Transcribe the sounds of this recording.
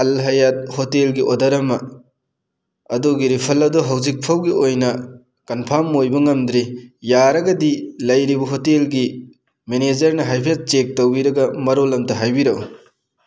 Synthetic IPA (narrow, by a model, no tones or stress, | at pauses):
ɐlɦɐjat̚hotelɡiʔodɐɾɐmɐ | ɐduɡiɾipʰɐlɐdɔɦɐwzik̚pʰɐwɡiojnɐ | kɐnpʰamojbɐŋɐmd̪ɾijaɾɐɡɐdilɐjɾibɐɦotelɡi | mened͡ʒɐɾnɐɦajpʰet͡ʃek̚towbiɾɐɡɐmɐɾolɐmtɐɦajbiɾɐw